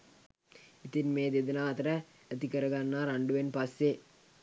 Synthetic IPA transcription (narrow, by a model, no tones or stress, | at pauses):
it̪inmeːd̪ed̪ɐnaːt̪ɐɾɐː | t̪ikɐɾɐɡɐnːaːɾaɳɖuʋenpɐsje